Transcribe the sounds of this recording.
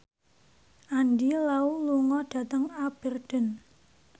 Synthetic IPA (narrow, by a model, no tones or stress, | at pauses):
ʔandilauluŋɔɖ̥ä̤t̪əŋab̥ə̤rɖ̥ə̤n